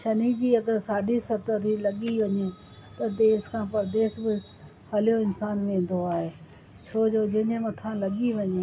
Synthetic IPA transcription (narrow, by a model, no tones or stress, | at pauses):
ʃɐnid͡ʑiːɐɡəɾsaːɖʱisɐt̪ət̪ʰilɐɠiʋɐɲũ | t̪ɐd̪eːskʰãːpɐɾd̪eːsbɪ | hɐljoɪnsaːnmẽːn̆d̪oaːɦeː | t͡ɕʰoːd͡ʑoːd͡ʑɐ̃ɦɪ̃ɲẽmɐt̪ʰãlɐɠiʋɐɲeː